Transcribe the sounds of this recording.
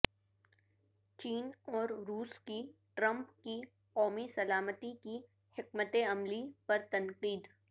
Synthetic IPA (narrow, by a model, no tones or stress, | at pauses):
t͡ʃiːnɔːɾɾuːskiʈɾɐ̃mpki | qɔːmisɐlaːmət̪iki | hɪkmət̪eɐmlipɐɾt̪ɐnqiːd̪